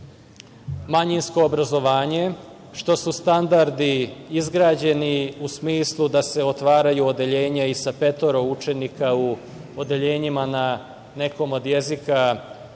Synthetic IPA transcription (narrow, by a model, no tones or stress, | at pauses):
maɲinsko̞ːbɾazo̞ʋaːɲe̞ | ʃt̪o̞sust̪and̪aɾd̪iizɡɾaːd͡ʑe̞niusmiːslˠud̪ase̞o̞t̪ʋaːɾajuod̪e̞ʎe̞ːɲaisape̞t̪o̞ɾo̞ut͡ʃe̞nikau | od̪eʎe̞ːɲimana | ne̞ko̞mo̞d̪je̞zika